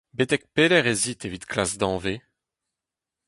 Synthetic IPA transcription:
bet̪ɛk̚pelɛʁezit̪evit̪kʰlasd̪ɑ̃ːve

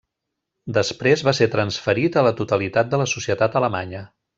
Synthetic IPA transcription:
d̪əspɾezβaseɾt̪ɾənsfəɾit̪ələt̪ut̪əlit̪at̪̚d̪ələsusiət̪at̪ələmaɲə

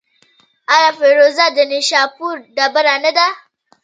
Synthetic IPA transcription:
ʔaɾaɸeɾozadɐniʃaɸuɾdabɐɾanɐda

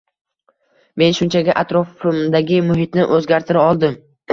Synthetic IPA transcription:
me̞nʃʊnt͡ʃʰaɡʲaʔat̪ɾɒfɪmd̪aɡʲɪmʊɦɪt̪nɪʔɵzɡʲaɾt̪ʰɪɾaɒlˠd̪ɪm

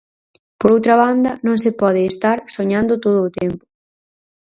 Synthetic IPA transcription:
poɾowt̪ɾɐβand̪ɐnõŋsɪpɔð̞ɪːst̪aɾsoɲãnd̪ʊt̪oð̞ʊːt̪ɛmpʊ̥

